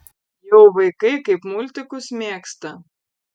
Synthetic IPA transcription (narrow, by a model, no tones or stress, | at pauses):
jɔwvɨjkɨkɨpmulʲt̪ɨkusʲmʲɛkst̪ɐ